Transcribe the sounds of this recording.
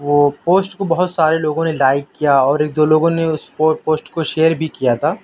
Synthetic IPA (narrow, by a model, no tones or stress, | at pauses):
ʋoːpoːsʈkobɐɦʊt̪saːɾeloːɡõnelaːɪkːijaɔːɾeːk̚d̪oːloːɡõneʊspopoːsʈkoʃeːəɾbʱikijat̪ʰaː